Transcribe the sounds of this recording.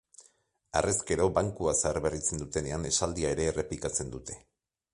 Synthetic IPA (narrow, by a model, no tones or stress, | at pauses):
a̰reske̞ɾo̞baŋkuasaaɾβe̞rit͡se̞nd̪ut̪e̞ne̞ane̞sald̪iae̞ɾe̞ːre̞plikat͡se̞nd̪ut̪e̞̥